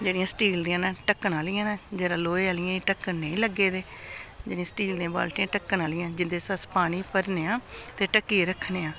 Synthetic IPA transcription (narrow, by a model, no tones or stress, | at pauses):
d͡ʒeːɽijãːsʈiːld̪iːãːnaːʈəkːnaːliːãːnaːd͡ʒeːɾãːloːeːaːlɪjãːeʈəknːeĩːləɡːeːd̪eːd͡ʒeːɽĩjãːsʈiːld̪ĩːãːba̰ːlʈiãːʈəkːnaːlɪjãːd͡ʒɪnd̪eːsəspaːñiːpəɾneːãːt̪eːʈəkːiːɾəkʰneːãː